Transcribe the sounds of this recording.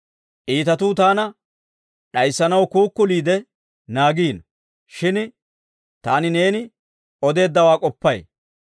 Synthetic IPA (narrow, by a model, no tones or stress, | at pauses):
ʔiːt̪ɐt̪uːt̪aːnɐ | ɗɐjsːɐnɐwkuːkːʊliːd̪ɛ | naːɡiːn | ʃɪn | t̪aːnɪne̞ːnɪ | ɔd̪e̞ːd̪ːɐwaːkʼɔpːɐj